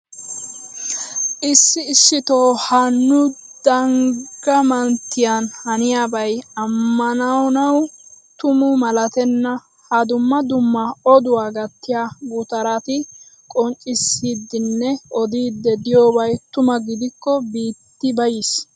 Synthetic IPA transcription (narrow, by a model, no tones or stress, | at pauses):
ʔɪsːɪːsːɪt̪oːhɐnːʊd̪̥ɐŋɡɐmɐnt̪ːɪjɐnhɐnɪjaːbɐjɐmːɐnɐwnɐw | t̪ʊmʊmɐlɐt̪ɛnːɐ | hɐd̪ʊmːɐd̪ʊmːɐɔd̪ʊwaːɡɐt̪ːɪjaːɡʊt̪ɐɾat̪ɪ | kʼɔnt͡ʃʼɪsːiːd̪ːɪnːɛɔd̪iːd̪ːɛd̪ɪjoːbɐjt̪ʊmɐɡɪd̪ɪkːɔbiːt̪ːɪbɐjis